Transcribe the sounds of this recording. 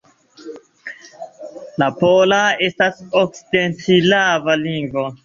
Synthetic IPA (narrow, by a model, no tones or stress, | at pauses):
lapolae̞stasok̚side̞nt͡silavaliŋɡvo̞